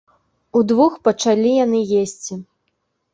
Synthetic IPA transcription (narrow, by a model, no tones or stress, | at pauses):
ud̪vuxpɐt͡ʂalʲijanɨjesʲt͡sʲi